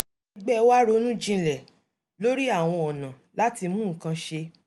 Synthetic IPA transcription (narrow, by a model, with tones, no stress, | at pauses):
i˧ɡ͡bɛ˦wa˦ɾo˦nũ˦d͡ʒĩ˧lɛ˨ | lo˦ɾi˦a˦˨w̃ɔ̃˧ɔ˨nã˨la˨˦ti˧mũ˦ŋ̩˨kã˧ʃe˧